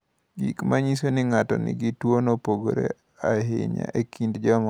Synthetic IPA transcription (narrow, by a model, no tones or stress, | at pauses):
ɡikmaɲisonɪŋatɔnɪɡitwonopoɡoɾḛ | aɦɪ̰ɲa̰ʔekʰindd͡ʒɔm